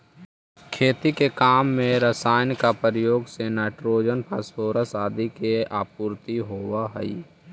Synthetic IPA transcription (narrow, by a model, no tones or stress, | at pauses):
kʰeːt̪ikekaːmːẽɾəsaːjnkapəɾjoːɡsenaːɪʈɾoːd͡ʒənpʰasoːɾəsaːd̪ʱikeaːpuːɾt̪iɦoːwaɦɛ̰ḭ